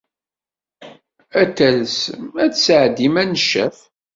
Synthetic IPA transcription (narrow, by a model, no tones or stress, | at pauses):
æt̪ːælsəmæt͡sːsəʕd̪imænəʃːæ̰f